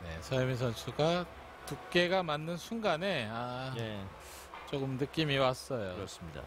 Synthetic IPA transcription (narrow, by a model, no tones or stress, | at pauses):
ne̞sʰʌjmis̬ʰʌnsʰuɡa | tuk͈e̞ɡamanːɯnsʰuŋɡane̞a | t͡ɕ͈oɡɯmnɯk͈imiwas͈ʌjoɾʌs͈ɯmɲida̰